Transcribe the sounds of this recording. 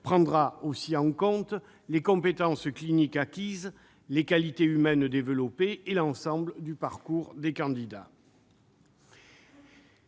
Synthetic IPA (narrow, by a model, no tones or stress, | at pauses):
pχɑ̃d̪ʁaosiɑ̃ŋkɔ̃t̪ | lekɔ̃pet̪ɑ̃sklinikakʲiz | lekalit̪eymɛnd̪evəlɔpeelɑ̃sɑ̃bləd̪ypaʁkuʁd̪ekɑ̃d̪id̪a̰